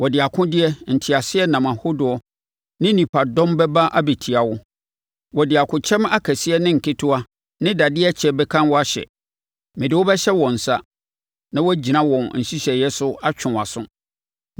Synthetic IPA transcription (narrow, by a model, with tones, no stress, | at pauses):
wɔ˨dɪ˨a˨kʰʊ̃˦dɪ˦ɛ˦n̩˨tʰɪ˨a˨sɪ˦ɛ˦nã˨mã˨hʊ˦dʊ˨ɔ˨ | nɪ̃˦nĩ˨pʰa˨dɔ̃˦mbɛ˦ba˦ʔa˦be˨tʰi˨a˨wʊ˦ | wɔ˨dɪ˨a˨kʰʊ̃˦t͡ɕʰɛ̃˦ma˦kʰæ˨sɪ˦ɛ˦nɪ̃˦ŋ̩˨kʰɪ˦tʰʊ˦a˦ | nɪ̃˦da˨dɪ˦ɛ˦t͡ɕʰɛ˨˦bɛ˦kʰã˦nwɔ˦a˦ɕɛ̰˨ | mɪ̃˨dɪ˨wɔ˦bɛ˦ɕɛ˦wɔ̃˨n̩˨sa˦ | nã˦wɔ˦d͡ʑi˨nã˦wɔ̃˨nn̩˨ɕi˦ɕɛ˨jɛ˦sʊ˦a˦t͡ɕʰᶣʊ̃˨a˨sʊ̃˦